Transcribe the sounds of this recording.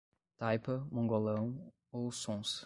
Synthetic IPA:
t̪ajpɐmɐ̃ŋɡolɐ̃w̃ | owsõs

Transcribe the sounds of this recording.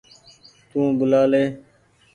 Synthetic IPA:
t̪ũːbʊlaːleː

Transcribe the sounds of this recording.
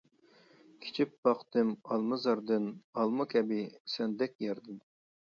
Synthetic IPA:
kʲʰi̥t͡ʃʰipbɑqt̪ɨmɑlˠmɨzɑɾd̪ɨnɑlˠmɨkʲʰɛbɪsɛnd̪ɛk̚ʲjɛɾd̪ɨm

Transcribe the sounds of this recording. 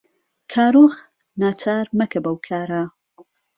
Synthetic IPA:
kʰaːɾox | naːt͡ʃʰaːɾmɐkʰɐbɐwkʰaːɾa

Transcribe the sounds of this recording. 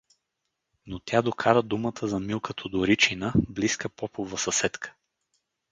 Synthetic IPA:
not̪ʲjad̪okʰaɾəd̪umət̪ʰəzɐmilˠkət̪ʰod̪oɾit͡ʃinəbliskəpɔpovəsɐsɛt̪kʰə̥

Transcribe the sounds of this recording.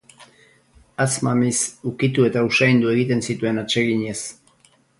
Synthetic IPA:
at͡smamisukit̪ue̞t̪ausajnd̪ue̞ɣit̪e̞nsit̪ue̞nat͡ʃe̞ɣiɲe̞s

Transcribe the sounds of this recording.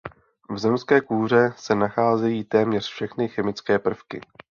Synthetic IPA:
vzɛmskɛːkuːr̝ɛsɛnaxaːzɛjiːt̪ɛːmɲɛr̝̥fʃɛxnɪxɛmɪt͡skɛːpr̩fkɪ̰

